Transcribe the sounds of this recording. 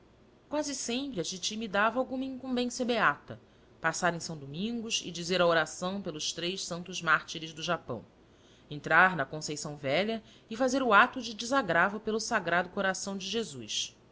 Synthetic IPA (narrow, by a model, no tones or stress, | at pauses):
kwazɪsẽmpɾɪɐt͡ʃit͡ʃimid̪avɐawɡũmɐĩŋkũbẽsjɐbeat̪ɐ | pasaɾẽj̃sɐ̃w̃d̪omĩŋɡʊʃɪ̰d͡ʒizeɾɐoɾasɐ̃w̃pelʊʃt̪ɾejʃsɐ̃nt̪ʊzmaɾt͡ʃiɾɪzd̪ʊʒapɐ̰̃w̃ | ẽnt̪ɾaɾnɐkõsejsɐ̃w̃vɛʎɐ | ɪfazeɾʊat̪ʊd͡ʒɪd͡ʒɪzaɡɾavʊpelʊsaɡɾad̪ʊkoɾasɐ̃w̃d͡ʒɪʒezujs